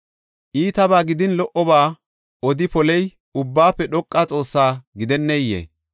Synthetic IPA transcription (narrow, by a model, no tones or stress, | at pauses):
ʔiːt̪ɐbaːɡɪd̪ɪnlɔʔɔbaː | ɔd̪ɪpɔlɛj | ʊbːaːpːɛɗɔkʼːaːt͡sʼo̞ːsːaːɡɪd̪ɛnːɛjːḛː